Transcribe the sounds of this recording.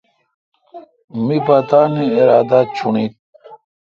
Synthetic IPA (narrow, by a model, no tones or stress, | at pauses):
mipat̪aːniiɾaːd̪at͡ɕʰuɳit̪